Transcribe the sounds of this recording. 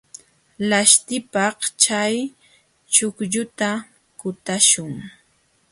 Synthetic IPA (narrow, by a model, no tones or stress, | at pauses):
laʃt̪ɪpɑht͡ʃaj | t͡ʃʊkʎʊt̪a | kʊt̪aʃʊŋ